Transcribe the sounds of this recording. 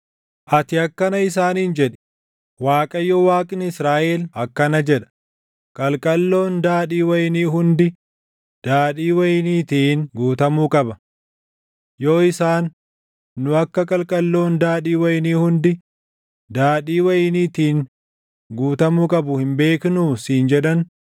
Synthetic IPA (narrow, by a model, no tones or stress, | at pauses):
ʔɐt̪ɪɐkːɐnɐɪs̬aːniːnd͡ʒɛᶑɛ̥ | waːkʼɐjɔwaːkʼɪnɪɪsɾaːʔeːlɐkːɐnɐd͡ʒɛᶑɐ̥ | kʼɐlkʼɐlːo̞ːnd̪aːᶑiːwɐjniːɦʊnd̪ɪ | d̪̥aːᶑiːwɐjniːt̪iːnɡuːt̪ɐmuːkʼɐbɐ | joːɪsaːnː | ʊɐkːɐkʼɐlkʼɐlːo̞ːnd̪aːᶑiːwɐjɪniːhʊnd̪ɪ | d̪̥aːᶑiːwɐjniːt̪iːŋ | ɡuːt̪ɐmuːkʼɐbʊhɪmbe̞ːkɪnuːsiːnd͡ʒɛᶑɐn